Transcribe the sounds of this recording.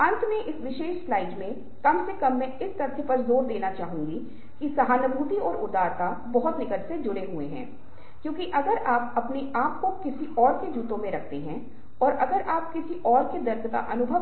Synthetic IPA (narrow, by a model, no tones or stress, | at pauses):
ɐ̃nt̪ʰmẽʔɪsʋɪʃeːʃslaːɪɖmẽ | kɐmsekɐmːẽɪst̪ɐɾd̪pɐɾzoːɾd̪eːnat͡ʃaːɦũːŋɡi | kisɐɦaːnəbʱuːt̪iɔːɾʊɾd̪aːɾt̪a | bɔɦʊt̪nɪkət̪sed͡ʒʊɽeɦueɦɛ̰̃ː | kjõːkiʔɐɡəɾaːpɐpneʔaːp̚kokɪsiʔɔːɾked͡ʒuːt̪õmẽɾɐk̚ʰt̪eɦɛ̃ | ɔːɾʔɐɡəɾaːp̚kɪsiʔɔːɾked̪ɐɾd̪ka̰ʔɐnʊbʱə